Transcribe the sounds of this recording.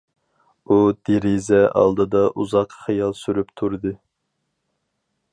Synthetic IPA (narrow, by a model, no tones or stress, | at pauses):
ud̪̥eɾizɛʔɑ̰lˠd̪ɨd̪ɑʔuzɑqχijɑlˠsyɾypt̪ʰuɾɨd̪ɨ